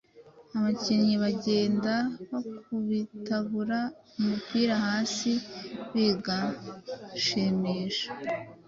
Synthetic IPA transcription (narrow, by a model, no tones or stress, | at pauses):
aβacinɲiβaɟe̞ːndaβokuβitaβuɾa | umupiːɾahaːsiβiɡa | ʃimiːʃḁ